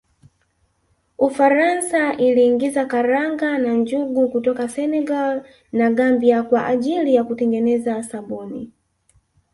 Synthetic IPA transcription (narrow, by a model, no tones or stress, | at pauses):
ufaɾansaʔiliːŋɡizakaɾaŋɡanand͡ʒuɡukutɔkasɛnɛɡal | naɡambiakwaʔaʄilijakutɛŋɡɛnɛzasaɓɔːnḭ